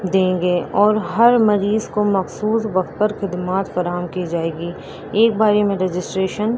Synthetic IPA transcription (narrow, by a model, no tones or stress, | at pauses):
d̪ẽːŋɡeʔɔːɾɦɐɾmɐɾiːzkomɐxsuːsʋɐxt̪̚pɐɾxɪd̪maːt̪fɐɾaːɦəmkid͡ʒaːeːɡi | eːk̚baːɾemẽɾed͡ʒɪsʈɾeːʃən